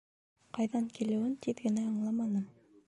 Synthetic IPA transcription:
qɑjðɑŋkilɘ̆wɘnt̪ʰiðɡɘ̆næɑ̆ɴlˠɑmɑnɤm

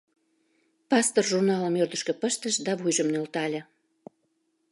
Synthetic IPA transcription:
pɑst̪orʒurnɑləmørd̪əʃkø̆pəʃt̪əʃd̪ɑβujʒəmnølt̪ɑlʲə̆

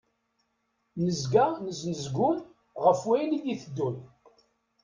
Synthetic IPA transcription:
nəzɡanəznəzɡʊn | ʁəfwæjnid̪iθəd̪ːun

